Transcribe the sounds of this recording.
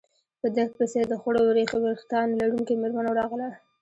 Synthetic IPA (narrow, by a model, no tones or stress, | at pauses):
pəd̪akpesed̪əxʊɽowɾexaweɾxt̪ɑnlaɽumkemeɾmanaɾɑɣla